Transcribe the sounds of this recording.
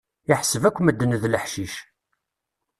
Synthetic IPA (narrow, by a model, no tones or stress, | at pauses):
iħsəvækʷːməd̪ːənəðləħʃiʃ